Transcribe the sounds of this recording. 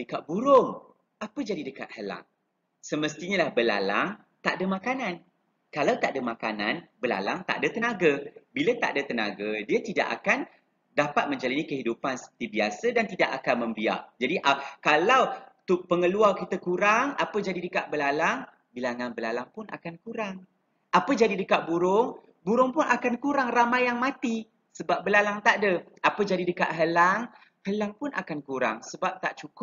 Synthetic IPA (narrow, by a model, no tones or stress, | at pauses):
dəkaʔ̪̚buɾʊŋ | apəd͡ʒadidəka̰t̪̚həla̰ŋ | səməst̪iɲəlahbəla̰la̰ŋ | t̪aʔdəmãkanãn | kalawt̪aʔdəmakana̰nbəla̰laŋt̪a̰ʔdət̪ənaɡəbilət̪a̰ʔdət̪əna̰ɡədiat̪ida̰ʔa̰kan | dapat̪̚mə̃ɲd͡ʒalanikəɦidupansə̥pə̥t̪ibiasədant̪idaʔakanmə̃mbia̰ʔd͡ʒadiʔakalawt̪upəŋəluarkit̪əkuɾaŋapəd͡ʒadidəkaʔ̚bəlalaŋ | bilaŋanbəlalaŋpʊna̰kankuɾaŋ | ʔapəd͡ʒadidəkaʔ̚buɾʊŋ | buɾʊŋpʊnakankuɾaŋramajjaŋmat̪i | səbap̚bəlalaŋt̪aʔdə | apəd͡ʒadidəkaʔ̪ɦəlaŋ | həlaŋpʊnʔa̰kankuɾa̰ŋsəbap̚t̪aʔt͡ʃukʊp̚